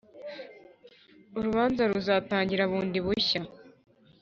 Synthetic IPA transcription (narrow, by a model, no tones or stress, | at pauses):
uɾuβaːnzaɾuzaːtaːɲɟiɾaβuːndiβuça